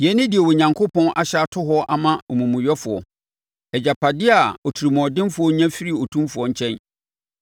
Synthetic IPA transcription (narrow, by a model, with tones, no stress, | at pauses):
jɛ˨˦nɪ̃˦dɪ˨ɛ˨wɔ˨ɲã˨ŋkʰʊ˦pɔ̃˦nʔa˨ɕa˦˨tʰʊ˦ɦɔ˦ʔa˨mã˦ɔ˨mũ˨mũ˨ɥɛ˦fʊ˨ɔ̰˨ | ɛ˨d͡ʑa˨pʰa˨dɪ˦a˨ɔ˨tʰi˨ɾi˨mɔ̃˨dɪ̃˦n˦fʊ˨ɔ˦ɲã˦fi˦ɾi˦˨o˨tʰũ˦mfʊ˨ɔ˨ɲ̩˨t͡ɕʰɛ̃˦n